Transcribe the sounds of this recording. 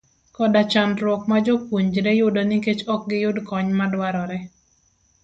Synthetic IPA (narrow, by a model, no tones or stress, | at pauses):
kɔdat͡ʃanɾwɔkmad͡ʒɔpwuɲd͡ʒɾɛjʊdɔnɪket͡ʃɔk̚ɡɪjʊdkɔɲmadwaɾɔɾɛ